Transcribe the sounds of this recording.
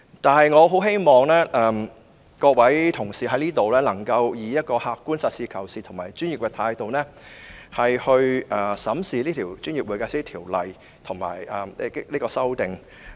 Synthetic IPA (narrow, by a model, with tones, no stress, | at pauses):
t̪aː˨nɦɐ˨jŋɔː˨˧ɦo˨˥wɦe˥jmɔː˨ŋlɛː˥ʔɛː˨˩m | kɔː˧k̚wɐ˨˥jt̪ʰʊ˨˩ŋsiː˨ɦɐ˨˥jliː˥t̪o˨wlɛː˥lɐ˨˩ŋkɐ˧wjiː˨˧jɐ˥t̚kɔː˧haː˧kkːuː˥nsɐ˨t̚siː˧kʰɐ˨˩wsiː˨t̪ʰʊ˨˩maː˨˩jt͡ʃyː˥njiː˨p̚kɛː˧t̪ʰaː˧jt̪o˨wnɛː˥hɐ˨jhɵ˧ɥʔɐː˨˩sɐ˨˥msiː˨˧liː˥t̪ʰiː˨˩wt͡ʃyː˥nji˨˩p̚uː˨˧jkaː˧siː˥t̪ʰiː˨˩wlɐ˨j | t̪ʰʊ˨˩ŋma̰ː˨˩jɛ˧˥liː˥kɔː˧sɐ˥wt̪ɪ˨ŋ